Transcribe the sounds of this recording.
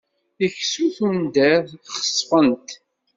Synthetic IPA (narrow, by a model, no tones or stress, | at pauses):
içsuθund̪æχə̥sˤfənt̪